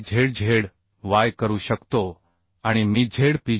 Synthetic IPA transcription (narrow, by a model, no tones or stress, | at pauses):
d͡ʑʱeɽd͡ʑʱeɽ | ʋajkəɾuːɕəkt̪o | aɽ̃imid͡ʑʱeɽpi